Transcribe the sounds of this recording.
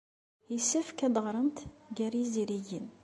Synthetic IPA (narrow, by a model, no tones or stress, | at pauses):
isəfkæd̪əʁɾˤənt̪ɡæɾjiziɾiʝin